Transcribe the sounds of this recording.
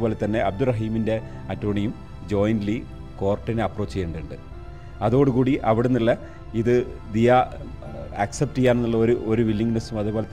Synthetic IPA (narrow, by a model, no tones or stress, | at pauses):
bo̞ːle̞t̪ːɐnːe̞ʔɐb̚d̪urɐɦiːminde̞ | ɐtːoːɳijum | d͡ʑo̞ːjndli | ko̞ːrʈːinɐpro̞ːt͡ɕːijːɳɖɨɳɖɨ | ɐðuoːɽɨkuːɽiʔɐʋiɽenːilːɐ | iðɨ | d̪ija | ɐksep̚ʈijːaːnenːuɭːɐoɾuʔoɾuʋilːiŋːnɐsumɐðuboːlet̪